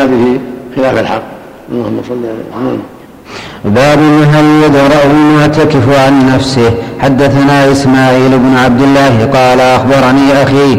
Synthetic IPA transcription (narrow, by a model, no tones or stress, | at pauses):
abɪhixɪlaːfalħɑqː | ʔɑlˤːɑhʊmːɑsˤɑlːiʕal̰na̰m | baːbɪnːɪɦaljad̪ɾˤɑʔmʊʕt̪akɪfʕanːafsɪhħad̪ːaθanaːʔɪsmaːʕiːlɪbnʕab̚d̪ɪlːaːhqɑːlʔaxbɑɾˤniaʔaxiː